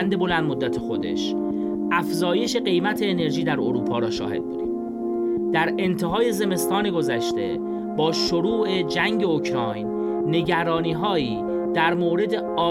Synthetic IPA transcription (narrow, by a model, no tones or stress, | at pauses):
nd̪e̞bo̞lænd̪mod̪ːæt̪ʰexo̞d̪e̞̰ʃ | ʔæfzɒːje̞ʃe̞ɢe̞jmæt̪ʰeːne̞ɾʒiːd̪æɾo̰ɾuːpʰɒːɾɒːʃɒ̰ːhe̞̰d̪̚bud̪ḭm | d̪̥æɾe̞nt̪ʰe̞ɦɒːje̞ze̞me̞st̪ɒːne̞ɡo̞zæʃt̪e̞̰ | bɒːʃoɾuːʔed͡ʒæŋɟeocʰɾɒːjnː | e̞ɟæɾɒːniːɦɒːiː | d̪̥æɾmoːɾe̞d̪e̞ɒː